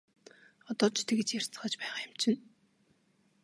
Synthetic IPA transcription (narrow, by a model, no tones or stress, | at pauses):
ɔt̪ɔːt͡ɕʰt̪ʰĕɡĕt͡ɕjær̥ʲt͡sə̥̆χə̆t͡ɕpæɛχaːjʊm̥t͡ɕɪ̆n